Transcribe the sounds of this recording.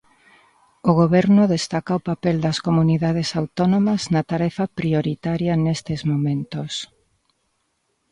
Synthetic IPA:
oɣoβɛɾnʊðest̪akaopapɛld̪ɐskomuniðaðesawt̪onomɐznɐt̪aɾɛfɐpɾioɾit̪aɾjɐnest̪ezmomẽnt̪os

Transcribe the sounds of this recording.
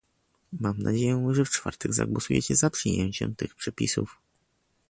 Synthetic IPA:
mamnʔad͡ʑejɛʐɛft͡ʂfa̰ɾt̪ɛɡza̰ɡwɔsujɛ̰t͡ɕɛzapʂɘjɛɲt͡ɕɛ̰mt̪ɘxpʂɛpʲisuf

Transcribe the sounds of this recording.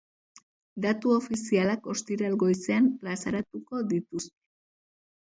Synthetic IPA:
d̪at̪uo̞fisialako̞st̪iɾalɣo̞jse̞amplasaɾat̪uko̞ðit̪ust̪e̥

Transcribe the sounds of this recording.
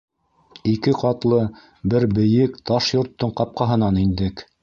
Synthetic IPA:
ikɘqɑt̪lˠɤ | bɘɾbɘ̆jɘkt̪ɑʃjŏɾt̪ːɤɴqɑp̚qɑɦɤ̆nɑnind̪ɘk

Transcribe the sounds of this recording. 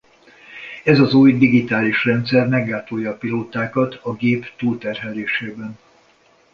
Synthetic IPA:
ɛzɒzuːjd̪iɡit̪aːliʃrɛnt̪sɛrmɛɡːaːt̪oːjːɒːpiloːt̪aːkɒt̪ʰɒɡeːpt̪uːlt̪ɛrɦɛleːʃeːbɛn

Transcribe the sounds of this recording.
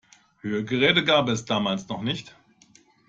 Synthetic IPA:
høːəɡəʁɛːdəɡaːbɛsd̥aːmaːlsnɔχnɪçt

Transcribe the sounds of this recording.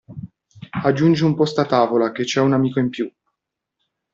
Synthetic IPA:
ad͡ʒːund͡ʒeumpɔst̪at̪aːvolaket͡ʃːɛunamiːkoimpju

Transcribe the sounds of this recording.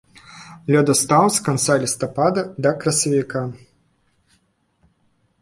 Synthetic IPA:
lʲɔd̪ɐst̪awskant̪salʲist̪ɐpad̪ɐd̪ɐkɾɐsɐvʲika

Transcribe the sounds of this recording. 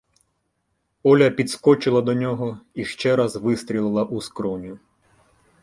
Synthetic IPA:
ɔlʲɐpʲid̪skɔt͡ʃɪlˠɐd̪ɔnʲɔɦɔiʃt͡ʃɛɾɐzʋɪst̪ʲɾʲilˠɪlˠɐʔuskɾɔnʲʊ

